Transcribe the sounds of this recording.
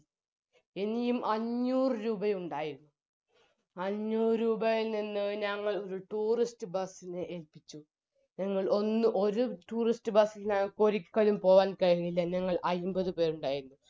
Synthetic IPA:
enijumʔɐɲːuːrɨɾuːbɐjuɳɖaːjiɾunːu | ɐɲːuːrɨɾuːbɐjnːinːɨɲɐŋːɐɭo̞ɾuʈuːristɨbɐsinɨʔelpit͡ɕːu | ɲɐŋːɐɭʔo̞nːɨʔo̞ɾuʈuːristɨbɐsilnɐŋːɐɭkoɾikːɐlumpo̞ːʋaːnkɐɻɣuŋilːɐnɐŋːɐɭʔɐjumbɐðupe̞ːɾuɳɖaːjiɾunːu

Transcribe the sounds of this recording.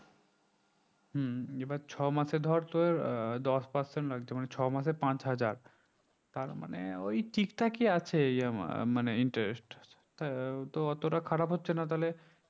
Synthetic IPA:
ɦ̩ebaɾt͡ɕʰɔmaʃed̪ʱɔaɾt̪oeɾd̪ɔspaɾseɳʈlaɡt͡ɕʰemanet͡ɕʰɔmaʃ̬epãt͡ɕɦad͡ʑaɾ | t̪aɾma̰neojʈikʈakiat͡ɕʰejamaneiɳʈeɾesʈ̪ | at̪oɔt̪oʈakʰaɽapɦotːɕʰenat̪̬aɦle

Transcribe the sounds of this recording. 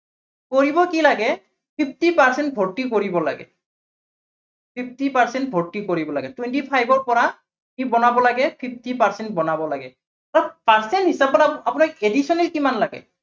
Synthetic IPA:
koɹibɔkilaɡɛ | pʰipʰtipaɹsɛnt̚bʱotːikoɹibɔla̰ɡɛ̰ | pʰip̚ʰtipaɹsɛntbʱoɹtːikoɹibɔlaɡɛtwentipʰajbɔɹpɔɹa | kibɔnabɔlaɡɛpʰip̚ʰtipaɹsɛnt̚bɔnabɔlaɡɛ̰ | aɹɔpaɹsɛntɦisapɔtapʊnakedisɔnɛlkimanlaɡɛ̰

